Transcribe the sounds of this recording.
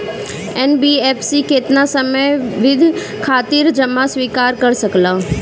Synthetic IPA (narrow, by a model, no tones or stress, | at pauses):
ɛːnbiːɛːpʰsiːkɪt̪nasəməjʋɪd̪ʱ | kʰaːt̪ɪɾd͡ʒəmasʋiːkaːɾkəɾsəklaː